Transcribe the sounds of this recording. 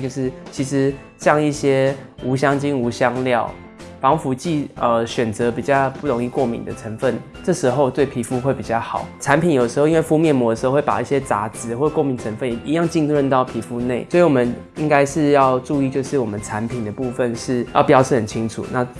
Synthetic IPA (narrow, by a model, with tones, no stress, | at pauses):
jo˥˧ʊʂɻ̩˥˧t͡ɕʰi˧˥ʂɻ̩˧˦ | ɕjɑ˥˧ŋi˥˩ɕjɛ˥u˧˥ɕjɑ˥ŋt͡ɕi˥ŋu˧˥ɕjɑ˥ŋljɑ˥˩ʊ | pɑ˧˥ŋfu˧˥t͡ɕi˥˩ə˧ɕɥɛ˨˩nt͡sɤ˧˦pi˨˩t͡ɕjɑ˥˧ʊpu˥˩ɾo˧˦ŋi˥˧kwɔ˥˩mḭ˧˦nd̪ə˨ʈ͡ʂʰə˧˥ŋfə˥˩n | ʈ͡ʂɤ˥˩ʂɻ̩˧˥xo˥˧ʊt̪we˥˩ɪpʰi˧˥fu˧˥xwe˥˩pi˨˩t͡ɕjɑ˥˩xɑ˨˩˦ʊʈ͡ʂʰa˧˦npʰi˨njo˨˩ʂ̩˧˥o˥˧i˦nwe˥˩fu˥mjɛ˥˩nmwɔ˧˥d̪ə˩ʂ̩˧˥˧we˥˩pa̰˨˩i˥˩ɕjɛ˦˥t͡sa̰˧˥t͡sɹ̩˧˩xwkwo˥˩mi˧˦ŋʈ͡ʂʰə˧˥nfə˥˩n˨i˧˦jɑ˥˧ŋt͡ɕi˥˧ŋtʰə˥˧nt̪ɑ˥˩ʊpʰi˨˧˥fu˧˥ne˥˩ɪswɔ˧˥i˧˨wɔ˨˩mə˦n | i˦˥ŋka˥ɪʂɻ̩˥˧jɑ˥˧ʊʈ͡ʂu˥˧i˥˧t͡ɕjo˥˧ʊʂɻ̩˥˩wɔ˨˩mə˦nʈ͡ʂʰa˧˦npʰi˨˩nd̪ə˩˦pu˥˧fə˨nʂɻ̩˥˩jɑ˥˩ʊpjɑ˥ʊʂʰɻ̩˥˩ə˨˩nt͡ɕʰi˦˥ŋʈ͡ʂʰṵ˨˩˦na˥˧